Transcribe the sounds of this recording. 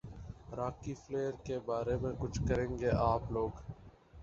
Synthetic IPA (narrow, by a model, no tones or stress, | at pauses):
ɾaːkiːfleːəɾkeːbaːɾeːmẽkʊt͡ʃʰkəɾẽːŋɡeːʔaːploːɡ